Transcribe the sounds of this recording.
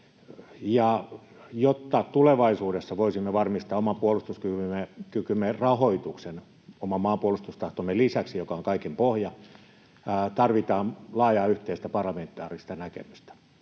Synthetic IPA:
jɑ | jot̪ːɑt̪uleʋɑisuːdesːɑʋoisimːeʋɑrmist̪ɑːomɑpuolust̪uskyyekykymːerɑhoit̪uksen | omɑmɑːmpuolust̪ust̪ɑht̪omːelisæksijokɑoŋkɑikempohjɑ | t̪ɑrʋit̪ɑːnlɑːjɑːyht̪eist̪æpɑrlɑment̪ːˑɑ̰ːrist̪ɑnækḛmyst̪æ̥

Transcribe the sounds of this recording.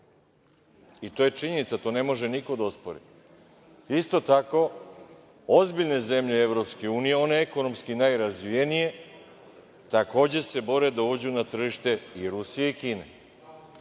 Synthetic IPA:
it̪oje̞t͡ʃiɲe̞nit̪sat̪o̞ːne̞mo̞ʒe̞niko̞d̪aospoɾḭ | ist̪o̞t̪ako̞ | ozbiʎne̞ze̞mʎeeʋɾo̞pskeuːnije̞o̞ne̞ekono̞mskinajɾazʋijenije̞ | t̪ako̞ːd͡ʑe̞se̞bo̞ɾe̞d̪aud͡ʑunat̪r̩ʒiʃt̪e̞iɾusije̞ikiːne̞̰

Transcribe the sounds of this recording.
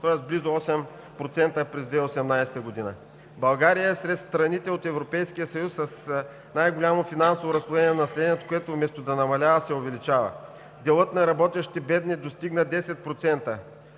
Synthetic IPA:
t̪ɔjəsblizʊɔsɛm | pɾot̪sɛnt̪əpɾɛzd̪vɛosɛmnajsɛt̪əɡod̪inə̰ | bɐlˠɡaɾijəɛsɾɛt̪st̪ɾɐnit̪ɛot̪ɛvɾopɛjsk̟ijəsɐjusːɐs | najɡolʲamofinansovoɾɐslˠuvɛniɛnɐnɐsɛlʲɛniɛt̪koɛt̪ovmɛst̪od̪ɐnɐmɐlʲavɐsɛovɛlit͡ʃavə̰ | d̪ɛlˠɤt̪nɐɾɐbɔt̪ɛʃt̪i̥t̪ɛbɛd̪nid̪ost̪iɡnɐd̪ɛsɛt̪̚pɾot̪sɛnt̪ə

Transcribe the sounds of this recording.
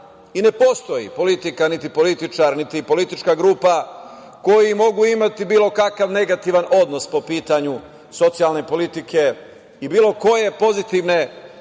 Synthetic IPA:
ine̞po̞st̪o̞jḭpo̞lit̪ikanit̪ipo̞lit̪it͡ʃaɾnit̪ipo̞lit̪it͡ʃkaɡɾuːpa | ko̞jimo̞ɡuimat̪ibiːlo̞kakaʋne̞ɡat̪iʋanʔo̞d̪no̞spo̞piːt̪aɲu | so̞t̪sijalne̞po̞lit̪ikʰe̞ | ibiːlˠo̞ko̞je̞po̞zit̪iʋne̞

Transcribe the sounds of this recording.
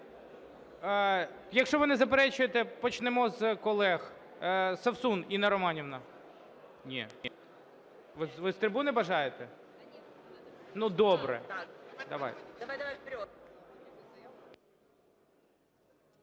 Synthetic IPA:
jɐkʃt͡ʃɔʋɪnɪzɐpeɾɛt͡ʃʊjet̪ɛpɔt͡ʃnɛmɔzkɔlˠɛx | sɐwsuninɛɾɔmɑnʲiwnɐ | nʲinʲi | ʋɪʋɪst̪ɾebunɛbɐʒɑjet̪ɛ | nud̪ɔbɾɛ̰d̪ɐʋɑ̰j

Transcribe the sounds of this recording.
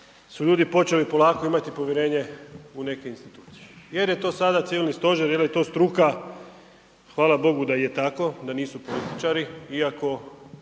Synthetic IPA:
suʎuːd̪ipo̞t͡ʃe̞lipo̞lˠaːko̞imat̪ipo̞ʋjeɾe̞ːɲe̞une̞ke̞inst̪it̪uːt̪si̥jeje̞ɾje̞t̪o̞ːsad̪at̪siʋilnist̪o̞ʒeɾjeljet̪o̞ːst̪ɾuka | xʋaːlabo̞ɡud̪ajet̪ako̞d̪aniːsupo̞lit̪i̥t͡ʃaɾiiako̞

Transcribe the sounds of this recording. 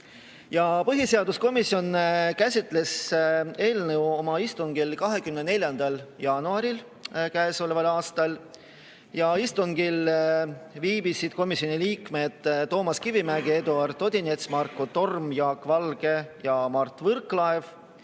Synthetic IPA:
jɑpɤɦiseɑd̪usko̞misːjo̞nkæsʲit̪ˑle̞se̞ːlnɤwo̞mɑist̪uŋɡilkɑɦe̞kymnene̞lʲjɑnd̪̥ɑljɑːnuɑɾil | kæeso̞levɑlɑːst̪ɑl | jɑist̪uŋɡ̥il | viːb̥isid̪̥ko̞misʲio̞niliːkme̞d̪̥t̪ːo̞ːmɑskivimæɡ̥ied̪uɑrt̪o̞d̪̥ʲinet̪smɑrkːot̪o̞rmjɑːkːˑvɑlɡ̥e̞jɑmɑrt̪ːvɤrkˑlɑev

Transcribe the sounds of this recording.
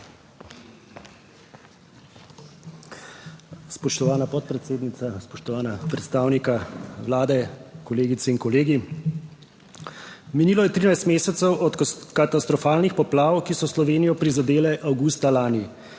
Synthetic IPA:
spɔʃt̪ɔʋaːnapɔt̪̚pɾɛt̪seːd̪nit̪saspɔʃt̪ɔʋaːnapɾɛt̪st̪aːwnikaʋlaːd̪ɛkɔleːɡit̪sɛinkɔleːɡi | miniːlɔjɛt̪ɾinajst̪meːsɛt̪sɛwʔɔt̪kat̪ast̪ɾɔfaːlnixpɔplaːwkisɔslɔʋeːnijɔpɾizad̪eːlɛʔawɡust̪alaːni

